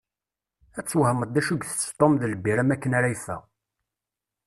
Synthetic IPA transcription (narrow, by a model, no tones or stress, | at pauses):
æt͡sːwhəməd̪ːæʃəɡʷθt̪ˤomðələbːiɾæmækːənaɾæjθæ̰